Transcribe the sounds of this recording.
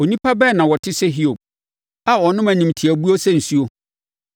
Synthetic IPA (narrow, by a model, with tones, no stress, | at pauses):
o˨nĩ˦pa˦bɛ˦˨nã˨wɔ˨tʰɪ˦sɛ˦ɦi˦o˨b̚ | a˦ɔ˨nʊ̃˦mæ̃˨nĩ˨mtʰi˨æ˨bu˦o˦sɛ˦n̩˨su˦o˦